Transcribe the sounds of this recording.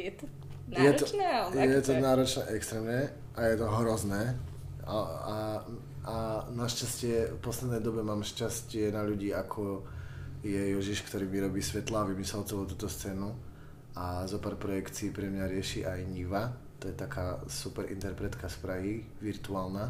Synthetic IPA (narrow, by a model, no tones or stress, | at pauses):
jɛt̪ɔ | jɛt̪ɔnjɛt̪ɔnaːɾɔt͡ʃnɛʔɛkst̪ɾɛːmɲɛ | ʔajɛt̪ɔɦɾɔznɛː | aa | anaʃcascɪɛfpɔslɛd̪nɛjd̪ɔbɛmaːmʃcascɪɛnaʎuɟiːakʰɔ | jɛjɔʒiʃkt̪ɔɾiːmiɾɔbiːsʋɛt̪laʋimisɛlt͡sɛʋut̪̬uːt̪ɔst͡sɛːnu | azɔpaːɾpɾɔjɛkt͡siːpɾɛmɲaɾɪɛʃiːʔajɲiʋat̪ɔjɛt̪akʰaːsupɛɾʔḭnt̪ɛɾpɾɛt̪kaspɾaɦi | ʋiɾt̪uaːlna